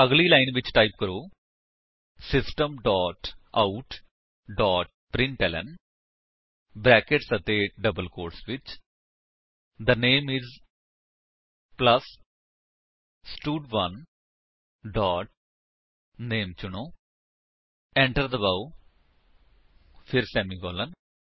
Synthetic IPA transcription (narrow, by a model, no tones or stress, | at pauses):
əɡlilaːɪnʋɪt͡ʃʈaːɪp̚kəɾoː | sɪsʈəmɖɔːʈaʊʈ | ɖɔːʈ̚pɾɪ̃ɳʈɛlə̰̃n | bɾɛːkeʈsət̪eɖəbəlkoːɾʈsʋɪt͡ʃ | d̪əneːmɪz | plɐs | sʈuɖʋɐ̃n | ɖɔːʈ̚ | neːmt͡ʃunoː | ẽɳʈəɾd̪əbaʊ | fʰiɾsɛːmiɡɔːlə̃n